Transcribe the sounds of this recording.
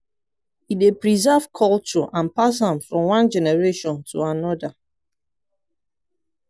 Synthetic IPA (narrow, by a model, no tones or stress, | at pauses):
idepɹizɛv̥kʰɔlt͡ʃɔʔãnpashãmfɹɔ̃mwãnd͡ʒɛnɛɹeʃɔ̃ntʰuanɔda